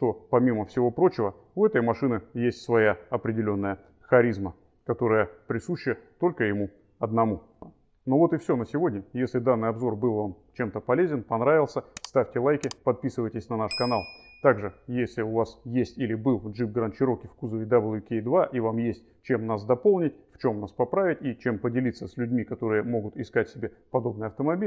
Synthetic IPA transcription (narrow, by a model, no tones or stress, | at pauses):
ʂt̪o̞pɐmʲiməfsʲɪvo̞pɾo̞t͡ɕɪvə | ʊɛt̪əjmɐʂɨnɪjesʲtʲsvɐjaɐpɾʲɪdʲɪlʲo̞nːəjə | xɐɾʲizmə | kɐt̪o̞ɾəjəpɾʲɪsuɕːɪjət̪o̞lʲkəjɪmu | ɐd̪nɐmu | no̞vo̞t̪ɨfsʲo̞nəsʲɪvo̞dʲnʲəjesʲlʲɪd̪anːɨjɐbzo̞rbɨlˠvamt͡ɕe̞mt̪əpɐlʲezʲɪnpɐnɾavʲɪlˠsʲəst̪afʲtʲɪlˠajkʲɪpɐt̪̚pʲisɨvəjtʲɪsʲnɐnaʂkɐnalˠ | t̪aɡʐɨjesʲlʲɪʊvasjesʲtʲilʲɪbɨlˠʐɨp̚ɡɾənt͡ɕɪɾokʲɪfkuzəvʲɪd̪ɐbəlˠjukʲed̪vaʔivamjesʲt̚ʲ | t͡ɕe̞mnas̬d̪ɐpo̞lˠnʲɪtʲft͡ɕo̞mnaspɐpɾavʲɪtʲit͡ɕe̞mpədʲɪlʲit̪səsʲlʲʉdʲmʲikɐt̪o̞ɾɨjəmo̞ɡʊt̪ɪskatʲsʲɪbʲe̞pɐd̪o̞b̚nɨjɐft̪əmɐbʲilʲ